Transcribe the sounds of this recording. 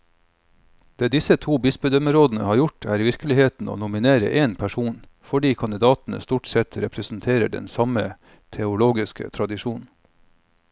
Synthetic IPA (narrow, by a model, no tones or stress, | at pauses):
d̪̥eːd̪ɪsət̪ʰuːbɪsbʉd̪əmɾoːd̪n̩ə̰hɑːɾjʊʈʰæːɾʋɪɾkəlɪheːt̪n̩ʔo̰ːnʊmɪneːɾə̰ʔeːnpʰæʂuːnfɔɖiːkʰɑnd̪ɪd̪ɑːt̪n̩ə̰st̪uːʈsɛt̪ɾɛpʰɾəsn̩t̪ʰeːɾəɖɛ̰nsɑmə | t̪ʰɛʊloːɡɪskə̰t̪ʰɾɑd̪ɪʃuːnn̩